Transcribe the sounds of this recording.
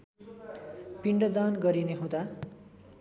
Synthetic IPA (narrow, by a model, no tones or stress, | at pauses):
piɳɖʌd̪anɡʌɾineɦõd̪a